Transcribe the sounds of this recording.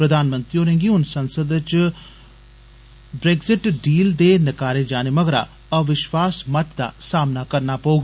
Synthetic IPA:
pɾəd̪aːnmə̃nt̪ɾioːɾẽŋɡiːʊnsənsəd̪t͡ʃ | bɾeːɡzɪʈɖiːld̪eːnəkaːɾeːd͡ʒaːneməɡɾa̰ː | əʋɪʃʋaːsmət̪d̪a̰ːsaːmnaːkəɾnaːpəuːɡa

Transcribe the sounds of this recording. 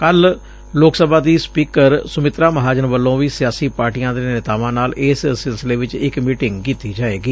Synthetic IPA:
kəl | loːksəbãːd̪iːspiːkəɾsʊmɪt̪ɾaːməɦaːd͡ʒənʋəlːõːʋiːsɪjaːsiːpaːɾʈijãːd̪eːnɪt̪aːʋãːnaːlɪssɪlsɪleːʋɪt͡ʃɪkmiːʈɪ̃ŋɡkiːt̪iːd͡ʒaːeːɡiː

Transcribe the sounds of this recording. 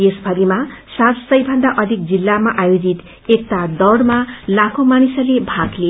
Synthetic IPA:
jesbʱʌɾimasat̪sʌjbʱʌnd̪aʔʌd̪ʱik̚d͡zilːamaʔajod͡zit̪ | ek̚t̪ad̪ʌɽmalakʰomanisʌlebʱaɡle

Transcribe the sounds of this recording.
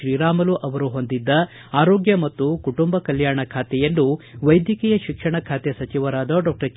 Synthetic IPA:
ɾiːɾaːmɐluʔɐʋɐɾuɦo̞nd̪id̪ːɐ | aːɾoːɡjɐmɐt̪ːukuʈumbɐkɐljaːɳɐkʰaːt̪ɛjenːuʋɐjd̪jɐkijɐʃikʂɐɳɐkʰaːt̪esɐt͡ʃiʋɐɾaːd̪ɐɖɔːk̚ʈɐ

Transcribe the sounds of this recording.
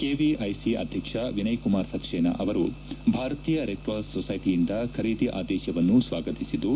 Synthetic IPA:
keːʋiʔɐjsiɐ̰d̪ʱjɐkʂɐʋinɐjkumaːɾsɐt̪ʃeːnɐ̰ʔɐʋɐɾubʱaːɾɐt̪iːjɐɾek̚ʈʋaːlssɔsɐjʈijind̪ɐkʰɐɾiːt̪iʔa̰ːd̪ɛːʃjɐʋɐnːusʋaːɡɐt̪isid̪u

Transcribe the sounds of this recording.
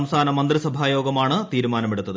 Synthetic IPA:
mst̪ʰaːnɐmɐnd̪risɐbʱaːjoːɡɐmaːɳɨt̪iːɾumaːnɐmeɽut̪ːɐðɨ

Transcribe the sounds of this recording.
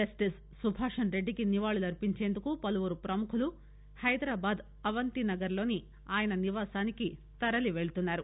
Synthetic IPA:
d͡ʒɐsʈis | subʱaːʂɐnɾe̞ɖːikiniʋaːɭulɐɾpiɲt͡ʃe̞ːnd̪ukupɐluʋuɾupɾɐmukʰulu | hɐjd̪ɾaːbaːd̪ | ɐʋɐnt̪inɐɡɐɾlo̞ːni | aːjɐnɐniʋaːsaːniki | t̪ɐɾɐliʋe̞ɭut̪unːaːɾu

